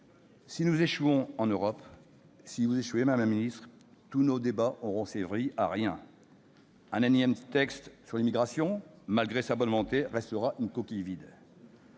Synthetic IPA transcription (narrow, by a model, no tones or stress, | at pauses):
sinuzeʃuɔ̃ɑ̃nøʁɔp | sivuzeʃwemmɛminist̪χ | t̪unod̪ebaʔɔʁɔ̃sevʁiʔaʁjɛ̃ | ɛ̃nanjɛmt̪ɛkst̪syʁlimiɡʁasjɔ̃malɡʁesabɔnmɔ̃t̪eʁɛst̪əʁaʔynkɔkʲijvid̪